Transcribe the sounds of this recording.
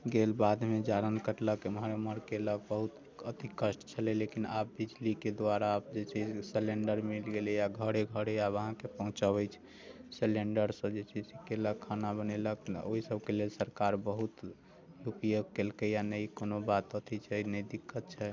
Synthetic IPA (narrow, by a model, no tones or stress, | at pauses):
ɡelbad̪med͡ʒaɾənkəʈləkmɦaɾeməɾkeləɡ̚bəɦut̪ | ət̪ikəsʈt͡ʃʰəlelekinap̚bid͡ʒliked̪aɾaːp̚d͡ʒet͡ʃʰɛd͡ʒseleɳɖəɾmilɡelejaɡʱəɽeɡʱəɽeabəɦãkepəɦũt͡ʃabɛt͡ʃʰɛ̥ | seleɳɖəɾsə̃d͡ʒet͡ʃʰɛsikeləkkʰanabəneləko̰ɦisəbkelelsəɾkaɾbəɦut̪ | jupjoɡkelkəjanəikonobat̪ət̪ʰit͡ʃʰɛnəjd̪ikːət̪̚t͡ʃʰɛ